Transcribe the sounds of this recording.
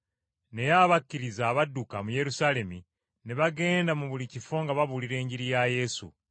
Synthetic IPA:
ne̞jaβakːiɾizaːβadukamuje̞ɾusaːle̞mi | neβaɡe̞ːndamuβulicifo̞ŋɡaβaβuliɾe̞ːɲɟiɾijaje̞sṵ

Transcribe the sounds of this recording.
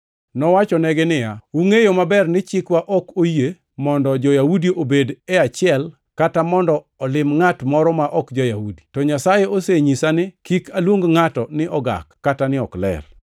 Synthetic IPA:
nɔwat͡ʃɔnɛɡɪnɪja̰uŋejomabɛrnɪt͡ʃɪkwaʔɔkoje | mɔndɔd͡ʒɔjahudiʔobedɛat͡ʃɪɛl | katamɔndɔːlɪmŋatmɔɾɔmaʔɔkd͡ʒɔjahudi̥tɔɲasajeoseɲisanɪkikalwoŋɡŋatɔnɪʔɔɡa̰kːatanɪɔklɛ̰r

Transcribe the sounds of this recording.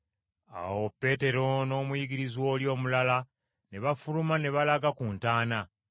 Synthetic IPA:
a̰wo̞pːe̞ːte̞ɾo̞no̞ːmujiɡiɾizwo̞ːljo̞ːmulala | ne̞βafulumane̞βalaɡakuntaːna

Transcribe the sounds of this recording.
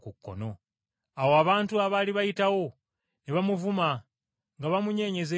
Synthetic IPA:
kukːo̞̰no̞ | awoaβaːntuaβaliβajitawo̞ | neβamuvuma | ŋɡaβamuɲe̞ːɲe̞ze

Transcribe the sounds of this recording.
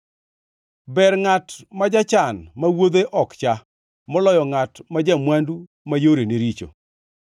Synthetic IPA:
bɛɾŋatmad͡ʒat͡ʃanmawod̪eʔɔkt͡ʃa | mɔlɔjɔŋatmad͡ʒamwandu | majoɾeneɾit͡ʃo̰

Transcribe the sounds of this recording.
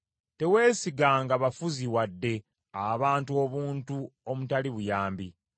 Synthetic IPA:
te̞we̞ːsiɡaŋɡaβafuziwadːe̞ | aβaːntuo̞βuːntuomutaliβujaːmbi

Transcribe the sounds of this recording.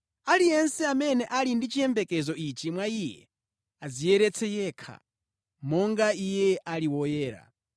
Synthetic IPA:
alijɛnsɛamɛnɛʔalindit͡ʃʰijɛmbɛkɛzɔit͡ʃimwaijɛ̰ | azijɛɾɛt͡sʰɛjɛːkʰa̰ | mɔŋɡaijɛʔaliwɔjɛːɾa̰

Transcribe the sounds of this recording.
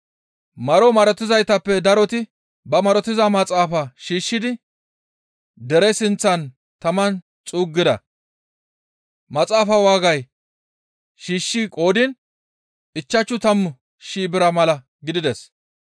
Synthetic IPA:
mɐɾɔmɐɾɔt̪ːɪzɐjt̪ɐpːɛd̪ɐɾɔt̪ɪ | bɐmɐɾɔt̪ɪzɐmɐt͡sʼaːfɐʃiːʃːɪd̪ɪ | d̪ɛɾɛsɪnt͡sːɐn | t̪ɐmɐn | t͡sʼuːɡːɪd̪ɐ̰ | mɐt͡sʼaːfɐwaːɡɐj | ʃiːʃːikʼo̞ːd̪ɪn | ɪt͡ʃːɐt͡ʃːʊt̪ɐmːʊ | ʃiːbɪɾɐmɐlɐ | ɡɪd̪ɪd̪ɛs

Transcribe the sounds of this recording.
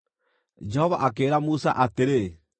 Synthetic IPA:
d͡ʒɛhɔβa̰ʔakeɾamusa̰ʔateɾe

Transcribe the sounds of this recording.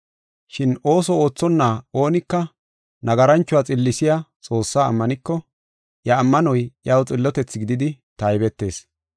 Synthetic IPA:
ʃɪno̞ːsɔo̞ːt͡sːɔnːaːo̞ːnɪkːɐ | nɐɡɐɾɐnt͡ʃːʊat͡sʼɪlːɪsɪjat͡sʼo̞ːsːaːɐ̰mːɐnɪkːɔ | jɐːmːɐnɔjjɐwt͡sʼɪlːɔt̪ɛt͡sːɡɪd̪ɪd̪ɪ | t̪ɐjbɛt̪ːe̞̰ːs

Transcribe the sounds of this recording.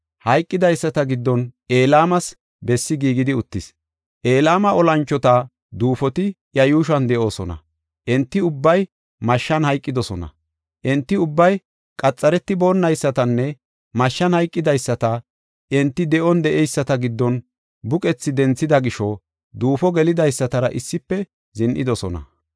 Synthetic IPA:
hɐjkʼːɪd̪ɐjsːɐt̪ɐɡɪd̪ːɔne̞ːlaːmɐs | bɛsːɪɡiːɡɪd̪ɪʊt̪ːɪs | ʔe̞ːlaːmɐʔɔlɐnt͡ʃːɔt̪ɐ | d̪uːfɔt̪ɪ | jɐjuːʃɐnd̪ɛʔo̞ːsɔnɐ̰ | ʔɛnt̪ːɪʊbːɐj | mɐʃːɐnhɐjkʼːɪd̪ɔsɔnɐ̰ | ʔɛnt̪ːɪʊbːɐj | kʼɐt͡sʼːɐɾɛt̪ːɪbo̞ːnːɐjsːɐt̪ɐnːɛ | mɐʃːɐnhɐjkʼːɪd̪ɐjsːɐt̪ɐ | ʔɛnt̪ːɪd̪ɛʔɔnd̪ɛʔɛjsːɐt̪ɐɡɪd̪ːɔn | bʊkʼɛt͡sːɪd̪ɛnt͡sːɪd̪ɐɡɪʃɔ | d̪uːfɔɡɛlɪd̪ɐjsːɐt̪ɐɾɐʔɪsːɪpːɛ | zɪnʔɪd̪ɔsɔnɐ̰

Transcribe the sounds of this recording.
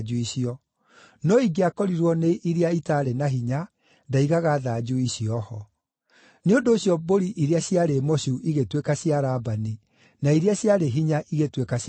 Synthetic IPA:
d͡ʒuiɕiɔ | nɔiɡeakɔɾiɾwɔneʔiɾeaitaɾɛnaɦiɲa | daiɣaɣaːðaːd͡ʒuiɕiɔhɔ | neondoːɕjɔboɾiʔiɾeaɕjaɾemɔɕuuʔiɣetwekaɕjaɾaːbani | naiɾeaɕjaɾeɦiɲaʔiɣetwekaɕ

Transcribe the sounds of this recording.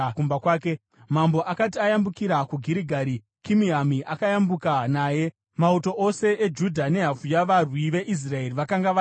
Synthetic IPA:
kumbakwaːke̞ | mambo̞ʔakatiajambukiɾakuɡʱiɾiɡʱaɾi | kimiamiʔakajambukanaːje̞ | mauto̞ʔose̞ʔed͡ʒudʱane̞ɦafujaʋarwiʋe̞ʔis̬rae̞riʋakaŋɡaʋ

